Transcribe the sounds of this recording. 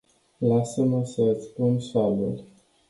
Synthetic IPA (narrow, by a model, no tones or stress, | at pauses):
lasəməsəspunʃalṵl